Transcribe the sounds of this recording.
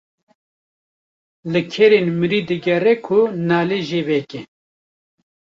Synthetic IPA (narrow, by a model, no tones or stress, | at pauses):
lɨkʰɛɾenmɨɾiːd̪ɨɡɛrɛkʰʊnaːleʒeːvɛkɛ